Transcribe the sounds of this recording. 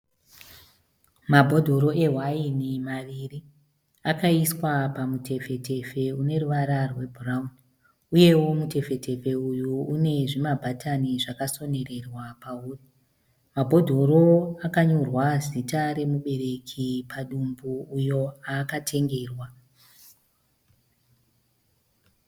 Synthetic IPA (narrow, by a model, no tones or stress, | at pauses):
mabʱo̞dʱo̞ɾo̞ʔe̞ɦwainimaʋiri | akaiswapamutʰe̞fe̞te̞fe̞une̞ruʋaɾarwe̞bʱuraun | uje̞wo̞mute̞fe̞tʰe̞fe̞ujuune̞ʐimabʱataniʐakaso̞ne̞re̞rwapauːri | mabʱo̞dʱo̞ɾo̞akaɲorwazitaɾe̞muɓe̞ɾe̞kʰipʰaɗumbuːjo̞akatʰe̞ŋɡe̞ːrwa